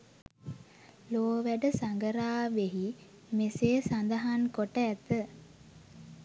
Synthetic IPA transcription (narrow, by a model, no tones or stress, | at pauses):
loːʋæɖəsaŋɡəɾaːʋeɦi | meseːsand̪əɦankoʈəæt̪ə